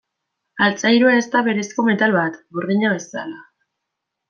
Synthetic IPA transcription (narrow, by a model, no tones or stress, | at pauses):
alt͡sajɾuaest̪aβe̞ɾe̞sko̞me̞t̪alβat̪ɡuɾðiɲaβe̞sa̰la